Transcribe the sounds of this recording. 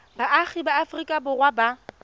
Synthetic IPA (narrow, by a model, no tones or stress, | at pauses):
baʔaχibaːfrikʼabʊrwaba